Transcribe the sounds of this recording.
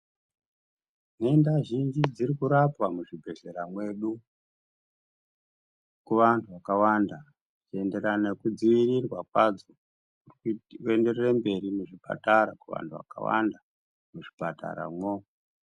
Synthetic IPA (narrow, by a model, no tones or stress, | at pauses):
nendaʒind͡ʒid͡zirikuɾapwamuʐibʱeɮe̞ɾamwe̞ɗu | kuʋantʰuʋakawanda | t͡ʃie̞nde̞ɾanekud͡ziʋirirwakwad͡zo | ure̞nde̞rerembe̞ɾimuʐipʰa̰taɾakuʋa̰ntʰuʋa̰ka̰wa̰nda | muʐipata̰ɾa̰mwo